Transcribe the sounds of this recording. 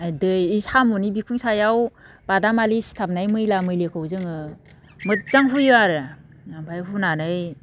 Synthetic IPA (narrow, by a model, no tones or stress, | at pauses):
adɯjisamunibikʰuŋsajaw | b̥adamalisi̥tʰap̚najmɯjlamɯjlekʰɯwzɯŋɯ | mɯt̚zaŋɦujɯaɾɯ | nampʰajɦunanɯj